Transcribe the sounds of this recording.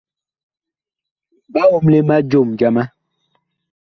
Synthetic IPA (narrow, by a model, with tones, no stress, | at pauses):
ba˦o˨mle˦ma˦d͡ʒo˦˨md͡ʒa˦ma˦